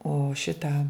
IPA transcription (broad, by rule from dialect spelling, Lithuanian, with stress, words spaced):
oː ˈʃʲɪtɑː